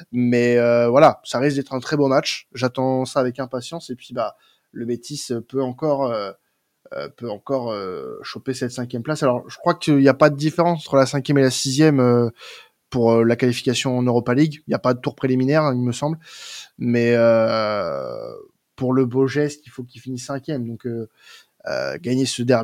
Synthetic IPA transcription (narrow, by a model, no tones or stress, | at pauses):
mɛøvwalasaʁiskd̪ɛt̪χɛ̃t̪χɛbomat͡ʃʒat̪ɑ̃saːvɛkɛ̃pasjɑ̃sepɥiba | ləbet̪ʰisøpøɑ̃kɔʁø | ø̰pøɑ̃kɔʁøʃopesɛt̪sɛ̃kʲjɛmplasalɔʁʒəkχwakəiljapad̪əd̪ifeʁɑ̃sɑ̃t̪χəlasɛ̃kʲjɛmelasizjɛmø | puʁølakalifi̥kasjɔ̃ɑ̃nøʁɔpaliɡiljapad̪ət̪uʁpχeliminɛʁɛ̃ilməsɑ̃blmɛø | puʁləboʒɛst̪ilfok̬ʲilfinisːɛ̃kʲjɛmd̪ɔ̃kø | ø̰ɡaɲesəd̪ɛʁ